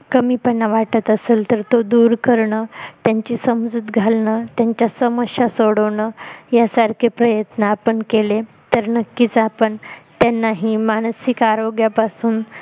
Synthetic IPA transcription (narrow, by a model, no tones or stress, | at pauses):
kəmiːpənːaʋaʈət̪əseːlt̪əɾt̪od̪uːɾkəɾɳət̪jaɲt͡ɕisəmd͡zuːt̪ɡʱalnət̪jaɲt͡ɕjasəməɕjasoɽəʋɳəjasaɾkʰepɾəjət̪naːpəɳkele | t̪əɾnəkːiːt͡sapəɳt̪janːaɦimaɽ̃sikaɾoɡjapasuːn